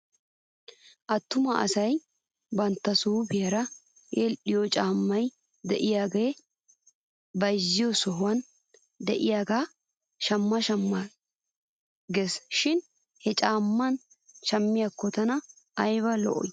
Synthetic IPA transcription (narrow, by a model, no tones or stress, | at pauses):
ʔɐt̪ːʊmɐɐ̰sɐj | bɐnt̪ːɐsuːbɪjɐɾɐ | eːlɗɪjot͡ʃʼaːmːɐj | d̪ɛʔɪjaːɡej | bɐjzːɪjosɔɦʊwɐn | d̪ɛʔɪjaːɡaː | ʃɐmːɐʃɐmːa | ɡesʃɪn | hɛt͡ʃʼaːmːɐn | ʃɐmːɪjakːɔt̪ɐnɐ | ɐjβɐlɔ̰ʔɔ̰j